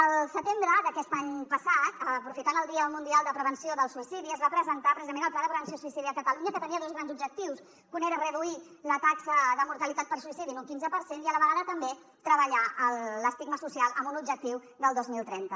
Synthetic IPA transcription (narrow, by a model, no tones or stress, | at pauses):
əlˠsət̪embɾəd̪əkɛst̪aɲpəsat̪əpɾufit̪anəlˠd̪iəlmund̪ialˠd̪əpɾəβənsioðəlˠsuisiðiəzβapɾəzənt̪apɾəzizəmenəlˠplanðəpɾəβənsiosuisiðiəkət̪əluɲəkət̪əniəðozɣɾanzubʒək̚t̪iws | kuneɾərəðui | lət̪aksəðəmuɾt̪əlit̪at̪̚pəɾsuisiðinuŋkinzəpəɾseniələβəɣaðət̪əmbe | t̪ɾəβəʎaʔələst̪iɡməsusialˠəmbunubʒək̚t̪iw | d̪əlˠd̪ozmilˠt̪ɾɛnt̪ə